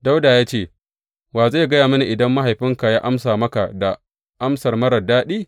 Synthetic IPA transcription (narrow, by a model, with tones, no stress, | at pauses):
da˦wdaː˨jaː˦t͡ʃeː˦˨ | waː˨zaː˦˨ɡɐ˦jaː˨mɐ˦ni˨ʔɪ˨dɐ˦mːa˦ɦa˨jɸɪ˦ŋka˨jaː˦ʔa˦msaː˨mɐ˦ka˨da˨ | ʔa˦msɐ˨rmɐ˦ɾɐ˨daː˦ɗiː˦